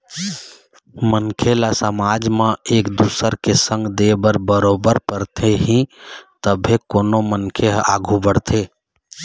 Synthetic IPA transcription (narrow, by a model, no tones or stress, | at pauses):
mənkʰelasəmad͡ʒmẽekd̪usəɾkesə̃ŋɡd̪ebəɾbəɾobəɾpəɾt̪ʰeɦĩt̪əbʱekonomənkʰeɦa̰ɡʱubəɽt̪ʰe